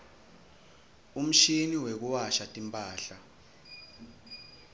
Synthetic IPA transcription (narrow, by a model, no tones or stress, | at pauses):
um̩ʃiniwek̬uwaʃatʼimpʼaːɬa